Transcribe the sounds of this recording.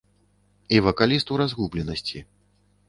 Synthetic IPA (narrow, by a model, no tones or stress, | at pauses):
ivɐkalʲist̪uɾazɣublʲɛnɐsʲt͡sʲi